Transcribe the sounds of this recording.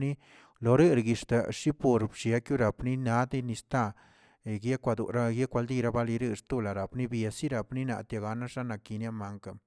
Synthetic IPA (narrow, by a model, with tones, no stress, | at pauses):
ni˦ | lo˨ɾɨ˦ɾɡi˨ʂt̪a˨ʂi˦po˨ɾbʃja˧˦kju˦ɾa˨pni˦na˦d̪i˦ni˧st̪a˦˨ | ɡje˦kʷa˧d̪ṵ˨ɾa˦ɡje˦kʷa˧ld̪i˦˧ɾa˦ba˦li˧ɾɨ˦˧ɾt̪u˦la˨ɾa˨pni˦bja˨si˦ɾa˨pni˦na̰˨t̪ja˨ɡa˨˧na˦ʂa˦na˨ki˧nja˦ma˨ŋka˨